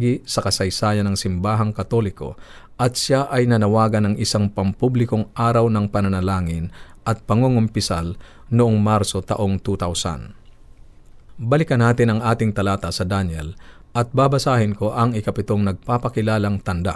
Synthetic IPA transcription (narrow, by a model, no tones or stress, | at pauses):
ɡɪsɐkɐsɐjsaːjɐnɐŋsɪmbaːɦɐŋkɐt̪o̞lɪko̞̰ʔɐt̪ʃaʔɐjnɐnɐwaːɡɐnɐŋʔɪsaŋpɐmpublɪkoŋʔaːɾɐwnɐŋpɐnɐnɐlaːŋɪn | ʔɐt̪̚pɐŋoŋompɪsal | nʊʔoŋmaɾsot̪ɐʔoŋt̪ut̪awsa̰n | bɐlɪkɐnaːt̪ɪnɐŋʔaːt̪ɪŋt̪ɐlaːt̪ɐsɐd̪anjɛ̰l | ʔɐt̪̚baːbɐsaːhɪnko̞ʔɐŋɪkɐpɪt̪oŋnɐɡ̚paːpɐkɪlaːlɐŋt̪ɐnd̪a̰